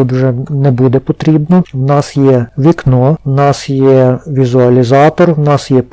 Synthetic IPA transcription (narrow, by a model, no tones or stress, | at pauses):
ut̪wʒɛnɛbud̪ɛpɔt̪ɾʲibnɔwnɑsjɛʋʲiknɔwnɑsjɛʋʲizʊɐlʲizɑt̪ɔrwnɑsjɛp